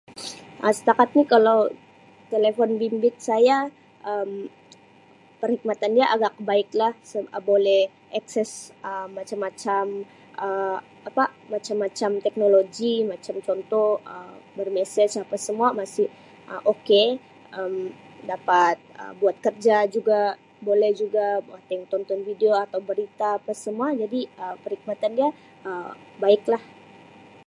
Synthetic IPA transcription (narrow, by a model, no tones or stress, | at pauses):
ʔəsə̥t̪akat̪̚nikalaw | t̪elefɔnbimbɪt̪̚saja | ʔəm | pərhik̚mat̪andiaʔaɡak̚baɪklahsəbolɛh | ʔaksɛsəmːat͡ʃamːat͡ʃam | ʔə | apamat͡ʃamːat͡ʃamt̪ɛk̚noloɡimat͡ʃamt͡ʃɔnt̪ɔhəbərmɛsɛt͡ʃapasəmuamasɪh | ʔə̰ʔoke | ʔəm | dapat̪̚ə̰buat̪̚kərd͡ʒad͡ʒuɡa | bolɛhd͡ʒuɡaat̪ɛŋt̪ɔnt̪ɔnfideoat̪awbəɾit̪aːpasəmuad͡ʒadiəpəɾik̚mat̪andia | ʔəbaɪklah